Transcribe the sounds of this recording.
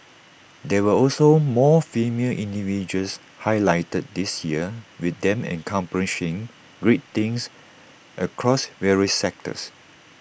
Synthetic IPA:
dɛwəɔlsomɔfemeəʔĩndivid͡ʒəls | hajlaɪtət̚disjiəwiθd̪ɛ̃mɛ̰̃nkʰãmpəɹiʃɪ̃ŋ | ɡɹet̚t̪ĩŋs | ʔəkʰɹɔsvɛɹiəsːɛk̚tə̰s

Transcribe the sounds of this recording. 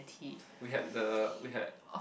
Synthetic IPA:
tʰi | wiɦɛd̚dəwiɦɛ̰d | ɔ

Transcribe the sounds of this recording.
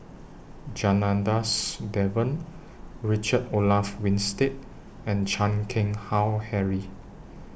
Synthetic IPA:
d͡ʒanãndasdɛvə̃n | ɹit͡ʃədolafwĩnstet̚ | ɛ̃nd͡ʒãnkʰɪ̃ŋhawhɛɹi

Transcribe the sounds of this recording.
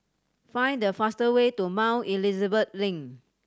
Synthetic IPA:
fãj̃ndəfastəwetumãʊʔilizəbət̚lĩŋ

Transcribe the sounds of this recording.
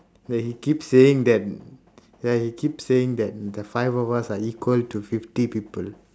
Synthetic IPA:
dɛhikipsːeɪ̃ŋd̪ɛt̚ | jahikʰipseɪ̃ŋd̪ɛt̚dəfaɪvɔvəsaikwəltufiftipipəl

